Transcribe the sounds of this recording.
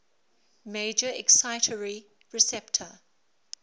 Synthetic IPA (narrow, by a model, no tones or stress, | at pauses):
meɪd͡ʒəɛksaɪtʰəɹi | ɹɪsɛptʰə